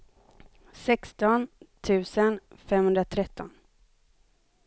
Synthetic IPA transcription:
sɛkst̪ɔnt̪ʰʉ̟ːsənfɛmhɵnd̪ɾat̪ʰɾɛt̪ːɔn

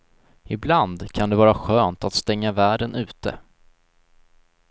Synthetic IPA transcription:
ɪbland̪kʰand̪ɛvɑːɾaɧøːnt̪at̪st̪ɛŋːavæːɖənʔʉ̟ːt̪ə̰

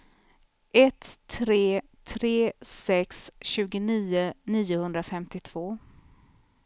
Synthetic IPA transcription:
ʔɛt̪ʰːɾeː | t̪ʰɾeːsɛksɕʉ̟ːɡʊniːʊniːʊhɵnd̪ɾafɛmt̪ɪt̪ʰv̥oː

